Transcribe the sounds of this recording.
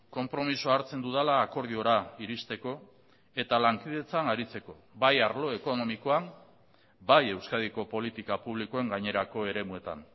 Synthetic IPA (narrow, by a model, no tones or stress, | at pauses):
ko̞mpɾo̞misoaɾt͡se̞nd̪uðalaːko̞ɾð̞io̞ɾaiɾist̪e̞ko̞ | e̞t̪alaŋkiðe̞t͡sanaɾit͡se̞ko̞ | βajaɾlo̞e̞ko̞no̞miko̞am | baje̞wskaðiko̞po̞lit̪ikapuβ̞liko̞e̞ŋɡaɲe̞ɾako̞e̞ɾe̞mue̞t̪a̰n